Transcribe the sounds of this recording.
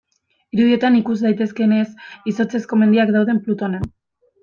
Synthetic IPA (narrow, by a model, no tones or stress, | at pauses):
iɾuðie̞t̪anikuzd̪ajt̪e̞ske̞ne̞siso̞t͡se̞sko̞me̞nd̪iakd̪awð̞e̞mplut̪o̞nen